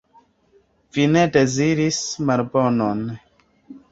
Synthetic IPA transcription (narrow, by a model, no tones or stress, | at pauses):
vine̞de̞ziɾismalbonon